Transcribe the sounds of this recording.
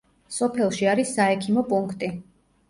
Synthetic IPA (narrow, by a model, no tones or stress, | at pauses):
sɔpʰɛlˠʃiaɾisːaɛkʰimɔpʼuŋkʰt̪ʼi